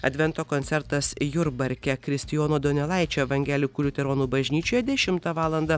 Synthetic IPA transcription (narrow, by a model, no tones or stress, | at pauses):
ɐd̪ʲʋʲɛnt̪oːkont̪sʲɛɾt̪ɐsjʊɾbɐɾʲkʲɛkɾʲɪsʲt̪ʲɪjoːnoːd̪onʲɛlˠɐˑɪt͡ʃʲoːʋɐŋʲɡʲæːlʲɪkʊlʲut̪ʲɛɾoːnuːbɐʒʲnʲiːt͡ʃʲoːjɛd̪ʲɛʃʲɪmt̪ɐʋɑːlˠɐnd̪ɐ